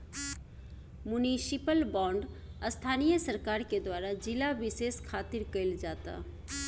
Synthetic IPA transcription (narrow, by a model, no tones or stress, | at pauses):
mʊnisipəlbɔ̃ːɳɖ | əst̪ʰaːnijəsəɾkaːɾked̪waːɾad͡ʒɪlaʋɪseːskʰaːt̪ɪɾkəild͡ʒaːt̪a̰